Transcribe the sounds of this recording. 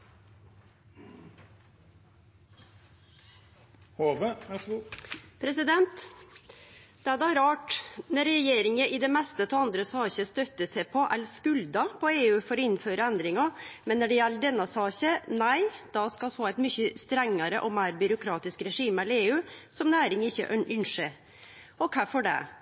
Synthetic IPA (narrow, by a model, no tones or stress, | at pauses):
hoːʋə | pʰɾɛsɪd̪ɛnt̪ | d̪̥ɛæd̪æɾɑːʈnɛɾɛjeːɾɪŋəʔɪd̪ɛmɛst̪ət̪ʰɔɑnd̪ɾəsɑːçəst̪œt̪ːəsɛɪpʰɔʔælskʉld̪ɑpʰɔeːʉːfɔɾɔɪnføːɾəænd̪ɾɪŋɑmɛnːæɖɛjɛlːəd̪ɛnːɑsɑːçənæɪd̪̥ɑskɑlfoːæɪt̪mʏçəst̪ɾɛŋːɑɾə̰ʔɔmæːɾbʏɾʊkʰɾɑːt̪ɪskɾɛʂiːmɛleːʉːsɔmnæːɾɪŋɪçːə̰ʔœʔʏnʂə | ɔkʰæfɔɖɛ̰